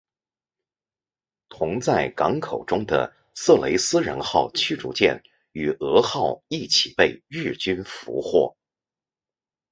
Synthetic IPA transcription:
t̪ʰʊ˧˥ŋt͡sa˥˩ɪkɑ˧˥ŋkʰo˨˩ʊʈ͡ʂʊ˥ŋd̪ə̰˧˩ | sɤ˥˩le˧˥ɪsɹ̩˥ɻə̰˧˥nxɑ˥˧ʊt͡ɕʰy˥ʈ͡ʂṵ˥t͡ɕjɛ̰˥˩n | y˨˩ɤ˧˥xɑ˥˧ʊi˥˩t͡ɕʰi˨˩pe˥˧ɪɻɻ̩˥˩t͡ɕy˥nfṵ˧˥xwɔ̰˥˩

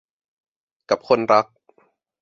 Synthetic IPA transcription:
ka˨˩p̚kʰo˧nɾa˦˥k̚

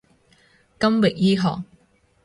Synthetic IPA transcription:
kɐ˥mwɪ˨k̚jiː˥ɦɔ̰ː˨k

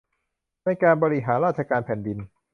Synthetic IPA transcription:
na˧jkaː˧nbɔː˧ɾi˦˧ɦaː˩˦nɾaː˥˩t͡ɕʰa˧kaː˧npʰɛː˨˩˦ndi˧n

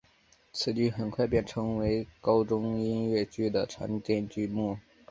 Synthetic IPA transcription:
t͡sʰɹ̩˧˩t͡ɕy˥˩xə˨˩nkʰwa˥˧ɪpjɛ˥˩nʈ͡ʂʰɤ˧˥ŋwe˧˥ɪkɑ˥ʊʈ͡ʂʊ˥ŋi˥nɥɛ˥˩t͡ɕy˥d̪ə˨ʈ͡ʂʰa̰˧˥nt̪jɛ˥˧nt͡ɕy˥mu˥˩

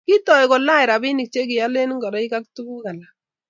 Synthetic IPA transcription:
ki˦tɔ˨jkɔ˨la˦ɪ˨ɾa˨bi˦ni˨k̚t͡ʃe˦kɪ˨ja˦le˦n˦ŋɡɔ˨ɾɔ˦i˦ka˦k̚tu˦bu˦ka˨la˨

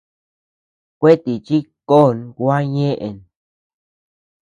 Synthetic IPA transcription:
kʷe˦t̪i˨t͡ʃi˦ko˦˨nɡʷa˦ɲẽ˦ʔḛ˨n

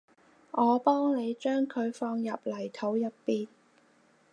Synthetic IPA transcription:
ʔɔː˨˧pɔː˥ŋne˨˧jt͡ʃœː˥ŋkʰɵ˨˧ɥfɔː˧ŋjɐ˨p̚lɐ˨˩jt̪ʰo˨˥wjɐ˨pːiː˨˧n

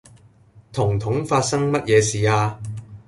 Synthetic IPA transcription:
t̪ʰʊ˨˩ŋt̪ʰʊ˨˥ŋfaː˧t̚sɐ˥ŋmɐ˥t̚jɛː˨˧siː˨aː˧

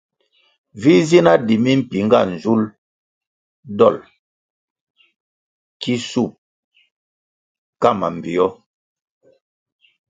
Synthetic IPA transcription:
vi˦zi˦na˦di˨mi˦m̩˦˨pi˨ŋ˦ɡa˦˨n̩˨zu˦l | dɔ˦˨l | ki˦su˦˨p̚ | ka˦˨ma̰˨m˨bi˨ɔ˦

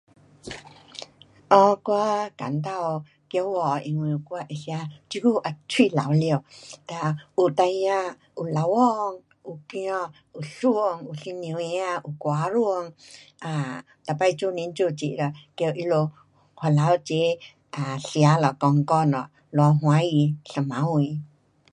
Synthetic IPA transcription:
ɔ̃˧˦kʷa˦ka̰˨nt̪a˦˧o˧ | kjo˧˦wɔ˧˨˧i˧ŋwĩ˧˨˧kʷa˦ʔe˧˨ɬja˧t͡ʃi˧˦ɡu˦ʔa˧t͡ʃi˦˧˨la˨wljo˧˨t̪a˧˨˧u˧˨t̪a˧i˧ã˧ | u˧la˨˧wɔ˦˧ŋ | u˧ki˧˦ɔ̃˧ | u˨ɬu˦o˧ŋu˧˨ɬi˧nĩ˧i˧ã˧ʔu˧kʷaː˨˦ɾu˦o˧ŋa˧˨ | t̪a˧˨pa˧jt͡ʃu˦nĩ˧nt͡ʃu˧˨t͡ʃḭ˨ɾa˧˨kjo˧ʔi˧lo˧ | hʷa˧˨la˨˧wt͡ʃi˦ | a˨ɬja˨˧˦lɔ˨kɔ˧ŋkɔ˧nɔ̰̃˨ʔ | lwa˧ɦwã˧˦ji˧ɬa˧mã˨˦wĩ˧˨

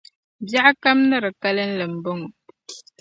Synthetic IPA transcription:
bja˦ka˦mnə˦ɾə˨ka˦lə˦n̩˦lə˨m̩˨bo˦ŋo˨

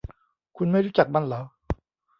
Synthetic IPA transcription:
kʰu˧nma˥˩jɾu˦˥t͡ɕa˨˩k̚ma˧˥˨nlaː˨˦˥

